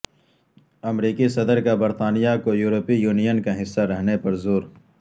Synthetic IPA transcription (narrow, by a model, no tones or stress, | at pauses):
ɐmɾiːkisɐd̪əɾkabɐɾt̪aːnijakojuːɾopijuːnijənkaɦɪsːaɾɐɦnepɐɾzoːɾ